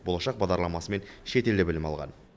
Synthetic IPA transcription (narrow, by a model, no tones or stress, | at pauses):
bo̞lˠɑʃɑq̚bɑʁd̪ɑɾlˠɑmɑsəme̞nʃe̞t̪e̞ld̪ɪbɪlɪmɑ̰lˠʁɑ̰n